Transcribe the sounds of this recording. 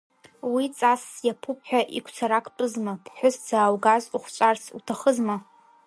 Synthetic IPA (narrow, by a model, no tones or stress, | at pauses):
wit͡sʼasjapʰup̚ʰʼħʷᶣaʔikʷʰt͡sʰaɾakʰʼtʼɨzmabʰħʷʊsd͡zaːwɡazuχʷt͡ʃʷʼarsʰṵtʰaχəzma